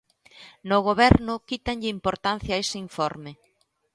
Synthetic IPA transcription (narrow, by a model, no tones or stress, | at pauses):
noɣ̞oβɛɾnʊkit̪aɲʎɪimpoɾt̪anθjaesɪiɱfɔɾmɪ